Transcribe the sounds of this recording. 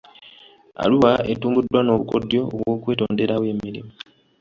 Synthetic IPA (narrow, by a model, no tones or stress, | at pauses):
a̰luwaʔetuːŋɡudːwano̞ːβṵko̞̰djo̞o̰βwo̞ːkwe̞ːto̞ːnde̞ɾaβwe̞ːmiɾḭmu